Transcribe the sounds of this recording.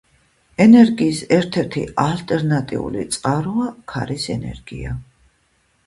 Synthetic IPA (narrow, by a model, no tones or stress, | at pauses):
ɛnɛɾɡiːsɛɾt̪ʰɛɾt̪ʰialt̪ʼɛɾnat̪ʼḭṵlḭt̪sʼqʼaɾuakʰa̰ɾisɛ̰nɛ̰ɾɡia